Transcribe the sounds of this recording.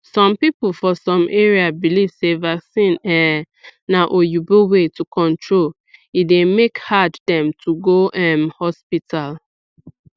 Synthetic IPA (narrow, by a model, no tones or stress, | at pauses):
sɔ̃mpipl̩fɔsɔ̃mʔeɹiabilivsevaksĩnɛ | naʔojubowetukɔ̃ntɹol | idemekhaddɛ̃mtʰuɡoʔɛ̃mhɔspitʰal